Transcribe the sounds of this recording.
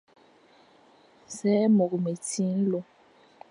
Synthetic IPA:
sɛ˦mo˨k̬u˨me˨tʰiː˦n˦lɔ˨

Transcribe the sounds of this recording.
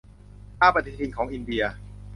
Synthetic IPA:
ʔaː˥˩pa˧t̪ʰi˦˧˥t̪ʰi˧nkʰɔː˩˦ŋʔi˧ndi˧ɐ

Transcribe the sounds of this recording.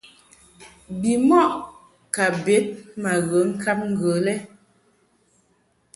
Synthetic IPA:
bi˨mɔ˦˨ʔ | ka˨be˨˦t̚ma˨ɣə˨˦ŋ̩˦ka˦p̚ŋ̩˦ɡə˨˦lɛ˦

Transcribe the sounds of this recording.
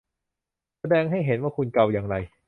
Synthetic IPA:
sa˧dɛː˧ŋɦa˥˩jɦe˩˦nwaː˥˩kʰu˧nka˧wjaː˧˩ŋɾa˧j

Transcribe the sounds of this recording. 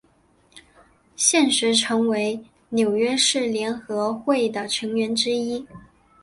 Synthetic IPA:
ɕjɛ˥˩nʂɻ̩˧˥ʈ͡ʂʰɤ˧˥ŋwe˧˥ɪ | njo˨˩ʊɥɛ˥ʂɻ̩˥˩ljɛ˧˥nxɤ˧˥xwe˥˩ɪd̪ə˩ʈ͡ʂʰɤ˧˥ŋɥɛ˧˥nʈ͡ʂɻ̩˥i˥

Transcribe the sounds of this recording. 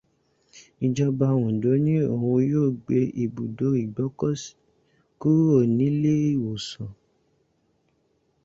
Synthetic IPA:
i˨d͡ʒɔ˧ba˧w̃ũ˨do˨˦nĩ˦o˦˨ũ˧joː˦˨ɡ͡be˧ʔi˨bu˨do˨˦i˨ɡ͡bɔ˨˦kɔ˦si̥˨ | ku˦o˦˨nĩ˨˦le˦i˦˨wo˨sɔ̃˨

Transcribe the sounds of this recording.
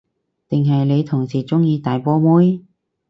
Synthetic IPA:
t̪ɪ˨ŋɦɐ˨jle˨˧jt̪ʰʊ˨˩ŋsiː˨˩t͡sʊ˥ŋjiː˧t̪aː˨jpɔː˥muː˥j

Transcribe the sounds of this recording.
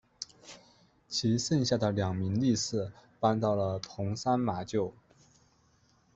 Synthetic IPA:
t͡ɕʰi˧˥sə˥˧nɕja˥˩d̪ə˩ljɑ˨˩ŋmi˧˥ŋli˥˧sɹ̩˥˩pa˥nt̪ɑ˥˩ʊlə˩t̪ʰʊ˧˥ŋsa˥nma˧˥t͡ɕjo˥˩ʊ

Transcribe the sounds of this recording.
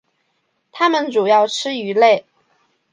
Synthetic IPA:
t̪ʰa˥mə˨nʈ͡ʂu˨˩jɑ˥˩ʊʈ͡ʂʰɻ̩˥y˧˥le˥˩ɪ

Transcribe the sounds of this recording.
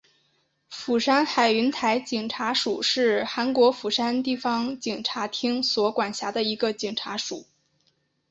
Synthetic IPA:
fu˨˩ʂa˥nxa˨˩ɪy˧˥nt̪ʰa˧˥ɪt͡ɕi˨˩ŋʈ͡ʂʰa˧˥ʂu˨˩˦ʂɻ̩˥˩xa˧˥nkwɔ˧˥fu˨˩ʂa˥nt̪i˥˩fɑ˥ŋt͡ɕi˨˩ŋʈ͡ʂʰa˧˥t̪ʰi˥ŋswɔ˧˥kwa˨˩nɕja˧˥d̪ə˧i˧˥ɡə˧t͡ɕi˨˩ŋʈ͡ʂʰa˧˥ʂu˨˩˦

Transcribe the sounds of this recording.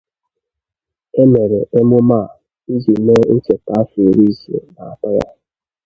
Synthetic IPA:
e˦me˨ɾe˨ʔe˦mʊ˦ma˦˨ | i˦zi˨me˦o˦t͡ʃe˨ta˨˦a˦fu˨ɾi˦zḛ˨ba˨a˨pa˦ja̰˦

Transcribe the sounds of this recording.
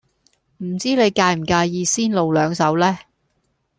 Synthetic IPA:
m̩˨˩t͡siː˥le˨˧jkaː˧jm̩˨˩kaː˧jjiː˧siː˥nlo˨˧wlœː˨˧ŋsɐ˨˥wlɛː˥

